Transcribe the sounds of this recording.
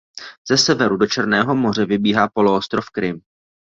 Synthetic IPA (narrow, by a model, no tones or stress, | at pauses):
z̥ɛsɛvɛɾudo̞t͡ʃɛɾnɛːɦo̞mo̞r̝ɛvɪbiːɦaːpo̞loost̪ɾofkɾɪm